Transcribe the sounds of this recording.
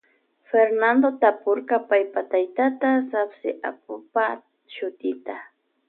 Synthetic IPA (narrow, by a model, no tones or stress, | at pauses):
feɾnand̪ot̪apoɾkapajpat̪ajt̪at̪asapsɪʔa̰p̚ʊpa | ʃʊt̪ɪt̪a